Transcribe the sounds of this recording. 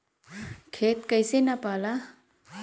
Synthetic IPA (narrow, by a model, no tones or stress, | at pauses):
kʰet̪kəjsenapala